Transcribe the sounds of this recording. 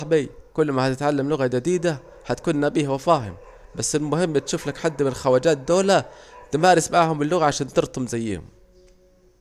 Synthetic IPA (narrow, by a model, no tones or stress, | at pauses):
ħbiːkʊlːmahat̪ɪt̪ʕalːamlʊɣad͡ʒad̪iːd̪a | hat̪kuːnnabiːhwafaːɦɪ̰m | basːɪlmʊhɪmːbɪt̪ʃuːflakħad̪ːmɪnlxawaːd͡ʒaːt̪̚d̪oːlat̪ɪmaːɾɪsmaʕhʊmɪlːʊɣaʕaʃaːnt̪ɨɾt̪ˤʊmzajːɪ̰hʊ̰m